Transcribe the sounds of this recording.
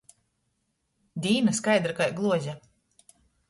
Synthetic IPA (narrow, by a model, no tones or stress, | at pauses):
d̪ʲiːnaskajd̪ɾakajɡlˠuɔzʲa